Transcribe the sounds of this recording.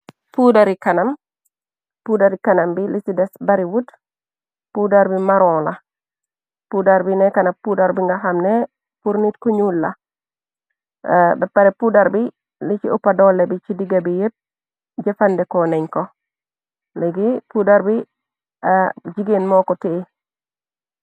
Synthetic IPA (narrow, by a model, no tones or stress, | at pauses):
pudaɾikanam | pudaɾikanambilisidɛsbaɾiwut | pudaɾbimaɾɔːla | pudaɾbinɛkanapudaɾbiŋɡaɦamnɛ | puɾnitkoɲulːa̰ | bɛpaɾɛpudaɾbi | lit͡ʃiopadɔlebit͡ʃidiɡabijit̚ | d͡ʒɛfandɛkɔnɛɲkɔ | lɛɡipudaɾbi | d͡ʒiɡenmɔkɔtii